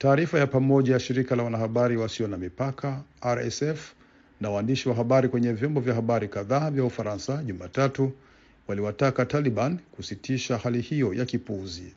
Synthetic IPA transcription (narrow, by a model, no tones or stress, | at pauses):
taːɾifajapamɔʄajaʃiɾikalawanahaɓaɾiwasiɔnamipakʰaaɾɛsɛf | nawaːndiʃiwaɦaɓaɾikwɛɲɛvjɔmbɔvjahaɓaɾikaðaːvjaufaɾansaʄumaːtatu | waliwatakataliɓanikusitiʃahalihijɔjakipuzi